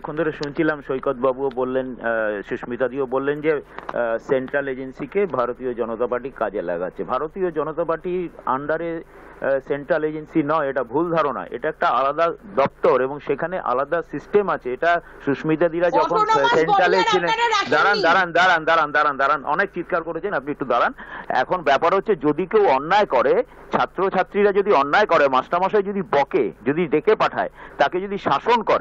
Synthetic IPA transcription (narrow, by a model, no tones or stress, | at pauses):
ɛkʰond̪ʰʱoɾeʃunt͡ɕʰilamʃojkot̪̚babuobolːenʃuʃmit̪ad̪iobolːend͡ʑeseɳʈɾaled͡ʑensikebʱaɾot̪iod͡ʑɔnot̪apaɾʈikad͡ʑela̰ɡa̰tːɕʰebʱaɾot̪iod͡ʑɔnot̪apaʈia̰ɳɖaɾe | seɳʈɾaled͡ʑensinɔeeʈabʱuld̪ʱaɾona̰ʔḛʈaɛk̚ʈaalad̪ad̪ɔp̚t̪oɾeboŋʃekʰaneʔa̰lad̪asisʈemat͡ɕʰeeʈa | ʃuʃmid̪ad̪iɾad͡ʑɔkʰonseɳʈalent͡ɕʰilend̪aɾand̪aɾand̪aɾand̪aɾand̪aɾand̪aɾanʔɔ̰nek̚t͡ɕit̪̚kaɾkoʈet͡ɕʰenap̚niek̚ʈud̪ɔɾanɛ̰kʰonbɛpaɾɦotːɕʰed͡ʑod̪ikewɔnːaekɔɾe | t͡ɕʰat̪ːɾot͡ɕʰat̪ːɾiɾad͡ʑod̪iɔnːaekɔɾemaʃʈamaʃad͡ʑod̪ibɔkḛd͡ʑod̪iɖekepaʈʰa̰et̪aked͡ʑod̪ʱiʃaʃonkɔɾe